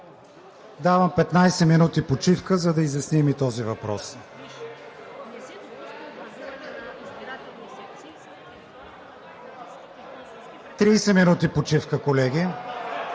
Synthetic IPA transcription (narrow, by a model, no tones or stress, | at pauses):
d̪avəmpɛt̪najsɛminut̪ipot͡ʃifkəzɐd̪ɐizjɐsnimit̪ɔzivɐpɾɔ̰s | t̪ɾiːsɛminut̪ipot͡ʃifkəkolɛɡ̟ʲi